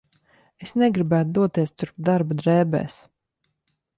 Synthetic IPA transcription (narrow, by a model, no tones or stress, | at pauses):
esnɛɡɾibæːt̪d̪uɔt̪iɛst̪uɾpd̪aɾbad̪ɾɛːbɛ̰ːs